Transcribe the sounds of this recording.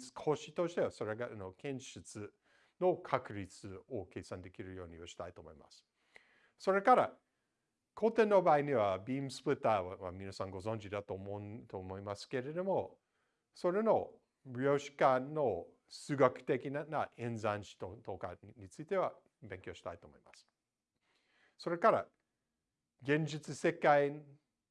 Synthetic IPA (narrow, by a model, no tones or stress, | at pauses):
t͡sɨ̥kʰo̞ːɕit̪o̞ɕi̥t̪e̞βaso̞ɾeɡanokẽ̞ɰ̃ɕɨt͡sɨ | no̞kʰakɯ̟ɾʲit͡sɨo̞ke̞ːsãnd̪e̞kʲiɾɯ̟jo̞ːɲ̟ioɕi̥t̪ait̪oːmo̞ima̰sɨ̥ | so̞ɾe̞kaɾa | kʰo̞ːt̪ẽ̞nːo̞baːiɲiβabʲiːmɯsɨ̥pɯt̪ːaːβaβamʲinasãŋɡo̞zõ̞ɲd͡ʑid̪at̪oːmot̪oːmo̞imasɨ̥ke̞ɾe̞d̪o̞mo̞ | so̞ɾe̞no̞ | bjo̞ːɕi̥kano̞ | sɨːɡakɯ̟̥t̪e̞kʲinanaʔẽ̞nzãnɕi̥t̪ot̪oka̰ɲit͡sɨit̪e̞βa | bẽ̞ŋkʲjo̞ːɕi̥t̪ait̪o̞ːmo̞imasɨ̥ | so̞ɾe̞kaɾa̰ | ɡẽ̞ɲd͡ʑit͡sɨse̞kai